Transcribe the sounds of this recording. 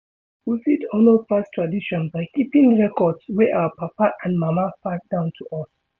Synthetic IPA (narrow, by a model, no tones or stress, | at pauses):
wifidɔnopastʰɹadiʃɔ̃nbaɪkipĩŋɹɛkɔdswɛʔawapapaʔãnmamafat̚d̥ãʊ̃ntʰuʔɔs